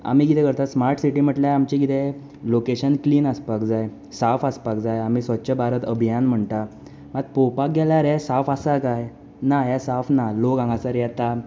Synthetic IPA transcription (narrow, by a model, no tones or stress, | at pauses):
a̰m̤ikit̪ɛ̃kəɾt̪asmaɾʈsiʈim̤əʈljaamt͡ɕikit̪ɛ | lokeɕənkliːnaspakd͡zaj | safaspak̚d͡zajam̤isətːt͡ɕəbaɾət̪əbʱijanm̤əɳt̪a | mat̪̚popak̚ɡɛlaɾɛsafasakaj | najasafnalokãŋɡasaɾjɛt̪a